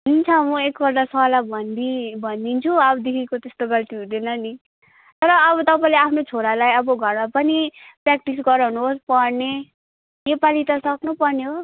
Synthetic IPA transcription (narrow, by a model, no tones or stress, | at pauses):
ɦint͡sʰʌmʌekbʌɾd̪asʌalabʱʌnd̪ibʱʌnd̪int͡sʰuʌbʌd̪ekʰikot̪est̪oɡʌlt̪iɦũd̪enʌni | t̪ʌɾʌːβʌt̪ʌpaĩleapʰnot͡sʰoɾalajʌbʌɡʱʌɾmapʌnipɾak̚ʈisɡʌɾʌɦunuɦospʌɾne | nepalit̪ʌsʌknupʌrneɦo